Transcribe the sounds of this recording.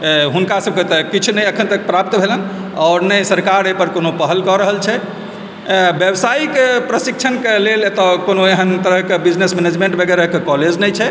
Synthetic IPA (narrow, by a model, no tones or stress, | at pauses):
ɦunkasəb̚ket̪əkit͡ʃʰunɛjəkʰənt̪ək̚pɾap̚t̪bʱelən | ɔːɾnəjsəɾkaɾepəɾkonopəɦəlkɔɾəɦəlt͡ʃʰɛ | bjəbsaikepɾəsik̚t͡ʃʰənkelelet̪ɔkonoeɦənt̪əɾəɦkebid͡ʒnesmɛned͡ʒmẽɳʈbʱəɡɛɾəɦkekɔled͡ʒnɛjt͡ʃʰɛ